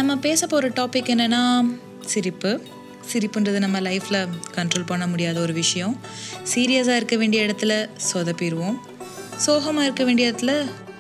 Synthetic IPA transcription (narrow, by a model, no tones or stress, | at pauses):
nɐmːɐpeːsɐpːoːɾɐʈaːpɪkːɛnːɐnːaː | sɪɾɪpːɯ | sɪɾɪpːɯndrɐðɯnɐmːɐlɐɪfɪlɐkɐɳʈɾoːlpɐɳːɐmʊɽɪjaːðɐɔɾɯʋɪʂɐjɐ̃ | siːɾɪjɐs̬aːɪɾɯkːɐʋeːɳɖɪjɐɪɽɐt̪ːɯlɐsɔðɐpːɪɾɯʋõ | soːɣɐmaːɪɾɯkːɐʋeːɳɖɪɐɪɽɐt̪ːɪlɐ